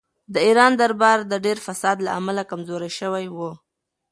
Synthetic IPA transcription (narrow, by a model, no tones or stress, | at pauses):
d̪əiɾɑnd̪aɾbɑɾd̪əɖeɾfasɑd̪laamalakamzoɾajʃəwajwu